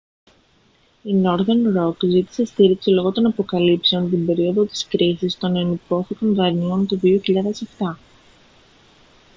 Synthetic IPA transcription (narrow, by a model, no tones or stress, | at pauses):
ino̞ɾðenɾo̞kzit̪i̥se̞st̪iɾiksilo̞ɣo̞t̪o̞nɐpo̞kɐlipse̞o̞nt̪imbe̞ɾio̞ðo̞t̪i̥skɾisist̪o̞nenipo̞θiko̞nðɐɾnio̞nt̪oðio̞çiʎɐðe̞se̞ft̪ɐ